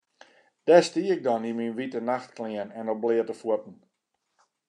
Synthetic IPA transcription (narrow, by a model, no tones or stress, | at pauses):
d̥ɛstiəɪk̚dɔniminʋitənaxtklɪənɛnɔblɪətəfuətn̩